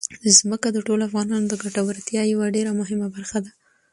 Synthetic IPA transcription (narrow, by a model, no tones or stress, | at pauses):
zməkad̪əʈoloafɣɑnɑnod̪əɡaʈawaɾt̪jɑjawaɖeɾamʊɦɪmabaɾxad̪a